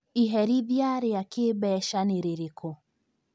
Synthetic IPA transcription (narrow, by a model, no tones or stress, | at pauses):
iɦɛɾiðjaɾiakɪbɛʃanɪɾɪɾikɔ